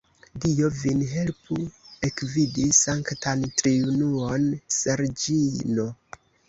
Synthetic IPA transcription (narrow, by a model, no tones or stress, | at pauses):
dio̞vinɦe̞lpue̞kvidisaŋktantɾiunuonseɾd͡ʒino̞